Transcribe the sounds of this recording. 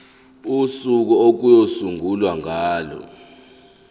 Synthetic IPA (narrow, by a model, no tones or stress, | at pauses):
usuk̬ɔok̬ujosuŋʱulwaŋaːlɔ̰